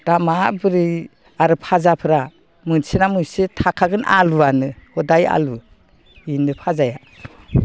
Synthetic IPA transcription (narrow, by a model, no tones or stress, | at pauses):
d̥amabɯɾi | aɾɯpʰazapʰɯɾa | mɯnsenamujsetʰakʰaɡɯnʔa̰luanɯhɔdaja̰lu | inɯpʰazaja